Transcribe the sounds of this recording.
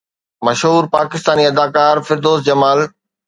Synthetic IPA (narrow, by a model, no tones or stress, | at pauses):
mɐʃɦuːɾpaːkɪst̪aːniɐd̪aːkaːɾfɪɾd̪oːzd͡ʑɐmaːl